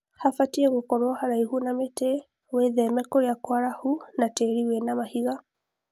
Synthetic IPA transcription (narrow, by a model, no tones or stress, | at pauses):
hafatiɛɣokɔɾwɔhaɾaihunametɛ | weðɛmɛkɔɾjakwaɾahunatɛɾiwenamahiɣa